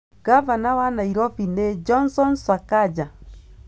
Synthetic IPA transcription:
ɡ̥avanawanaiɾɔfined͡ʒɔnsɔnsakad͡ʒa

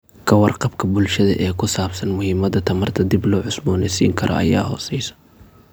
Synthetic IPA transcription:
kʰɐwɑrqɑbkʰɐbʊlʃɐðɐ̰ʔɛːkʰʊsaːbsɐnmʊhɪmɐðɐt̪ʰɐmɐrt̪ʰɐd̪iblɔːʕʊsbɔːnɛsḭːŋkʰɐɾʔɔ̰ʔɐ̰ja̰ːhɔ̰ːsɛjsɐ̥

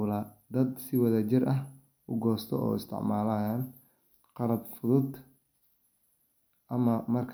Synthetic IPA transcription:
laːd̪ɐd̪sɪwɐðɐt͡ʃɪrɐɦ | ʔʊɡɔːst̪ʰɔ̰ʔɔ̰ːɪst̪ʰɪ̰ʕmaːlɐjan | qɑlɐbfʊðʊd̪ | ʔɐmɐmɐrkʰ

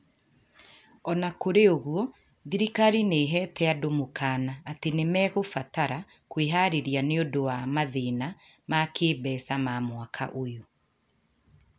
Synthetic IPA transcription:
ɔnakoɾeoɣwɔ | ðiɾikaɾineːɦɛːtɛadomokaːnaːtenemɛɣofataɾa | kweɦaɾeɾijaneodowamaðena | makeːbɛːsamamwakʰa̰ʔojo

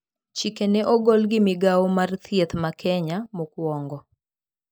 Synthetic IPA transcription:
t͡ʃikenɛʔɔɡɔlɡɪmɪɡaɔmart̪ʰjet̪makʰɛɲamʊkwɔŋɡɔ

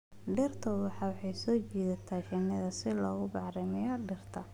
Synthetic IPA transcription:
ɖɛrt̪ʰɐwɑħɑːwħɑjsɔːt͡ʃiːðɐt̪ʰaːʃɛnɐðɐsɪlɔːɣʊbɑʕrɪmɪjɐɖɛrt̪ʰɐ

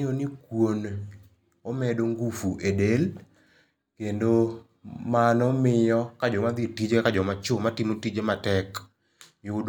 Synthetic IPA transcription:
onikwon | ɔmɛdoŋɡufuʔedel | kendo | manɔmɪjɔkad͡ʒɔmad̪ɪtid͡ʒekad͡ʒɔmat͡ʃomatimotid͡ʒematɛk | jʊd

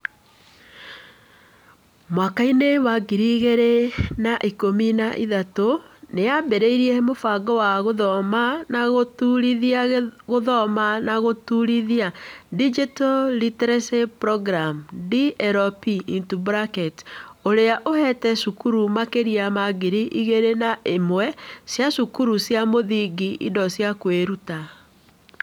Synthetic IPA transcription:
mwakainewaɡiɾiɣeɾenaʔikominaʔiðatoneabeɾeiɾiɛmofaɡɔwaɣoðɔmanaɣotuɾiðiaɣoðɔmanaɣotuɾiðiadid͡ʒitɔlitɾɛsepɾɔɡɾamdiɛɾɔpiintubɾakɛtoɾeaʔohɛtɛʃukuɾumakeɾiamaɡeɾiʔiɣeɾenaʔemwɛsjaʃukuɾusjamoðiɡiʔḭdɔsjakweɾuta

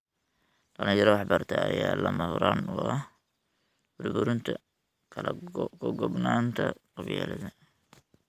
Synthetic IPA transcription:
ɖ̥ɐlɪjɐɾɐwɑħbɐrt̪ʰɐːjaːlɐmɐhʊɾaːnwɔɐ | b̥ʊrbʊɾɪnt̪ʰɐ | kʰɐlɐɡɔɡɔbnaːnt̪ʰɐqɑβjalɐðɐ

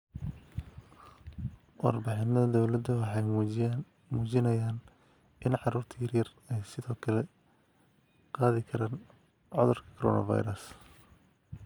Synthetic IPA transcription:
wɑ̰rbɪħɪnɐðɐd̪ɔwlɐd̪ːɐwɑħɑj | muːt͡ʃɪnɐjaːn | ʔɪnʕɑɾuːrt̪ʰiːrjɐr | ɛjsɪðɔːkʰɐlɛ | qɑːðɪkʰɐɾaːn | ʕɔðʊrkʰɐ̥kʰɔɾɔ̰ːnɐ̰vɑ̰jɾɐs

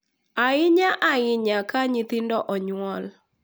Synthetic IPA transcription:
aɪɲaʔaɪɲakaɲɪt̪ɪndɔʔɔɲwɔl

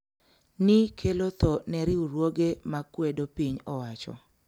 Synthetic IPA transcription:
nikʰelot̪ɔnɛɾɪuɾwoɡemakwedopiɲɔwat͡ʃɔ̰

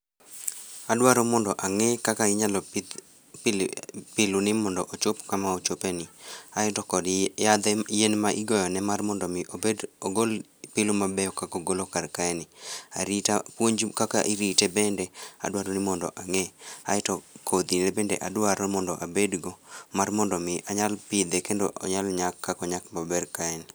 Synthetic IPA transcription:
adwaɾɔmɔndɔʔaŋɛkakaɪɲalɔ | pɪlunɪmɔndɔʔot͡ʃopkamaot͡ʃopɛnɪaɪtɔkɔdjad̪ɛjenmaʔɪɡɔjɔnɛmarmɔndɔmedoɡol | pɪlʊmabɛɔkakoɡolokaɾkaɛnɪa̰ɾitapwoɲd͡ʒkaka̰ʔiɾitɛbɛndɛa̰dwaɾɔnɪmɔndɔ̰ʔaŋɛa̰ɪtɔkʰod̪inɛbɛndɛ̰ʔadwaɾɔmɔndɔʔabedɡɔmarmɔndɔmɪʔaɲalpɪd̪ɛkendo̰ʔɔ̰ɲalɲakːakɔɲakmabɛrkaɛn

